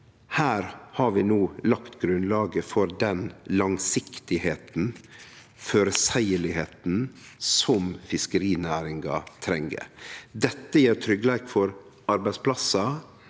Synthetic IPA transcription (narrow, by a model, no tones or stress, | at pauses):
hæːɾhɑɾʋɪːnoːlɑkt̪ɡɾʉnlɑːɡəfɔɾd̪ɛnlɑŋsɪkt̪ɪheːt̪n̩ | føːɾəsæɪəɭɪheːt̪n̩sɔmfɪskəɾiːnæːɾɪŋɡɑ̰t̪ʰɾɛŋə̰d̪ɛt̪ːəjeːɾt̪ʰɾʏɡəleːkfɔɾ | ɑɾbæɪspʰlɑsɑ